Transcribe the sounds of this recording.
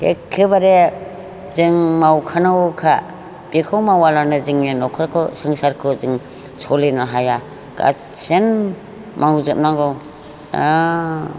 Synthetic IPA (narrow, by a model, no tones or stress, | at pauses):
ḛkʰːɯbaɾe | zɯŋmawkʰanawkʰa | bikʰɔwmawalanɯzɯŋjenɔkʰɯɾkʰɯsɯŋsaɾkʰɯzɯŋ | sʰɔlinaɦaja | ɡ̥a̰ | sen | mawzɯp̚naŋɡɔw | a̰